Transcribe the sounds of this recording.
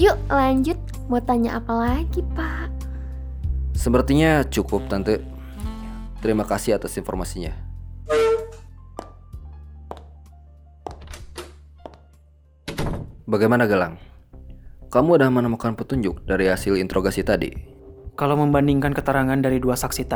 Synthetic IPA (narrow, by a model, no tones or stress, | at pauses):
juʔlaɲd͡ʒʊt̪̚ | mot̪aɲaʔapalaɡipaʔ | səmpərt̪iɲat͡ʃukʊp̚t̪ant̪u | t̪əɾimakasɪat̪asinfɔrmasiɲa | baɡajmanaɡəlaŋ | kamuːdamənəmukanpət̪uɲd͡ʒʊk̚daɾiɦasɪlint̪əɾʔoɡasit̪adḭ | kalaməmbandiŋkankət̪əɾaŋandaɾiduasaksit̪a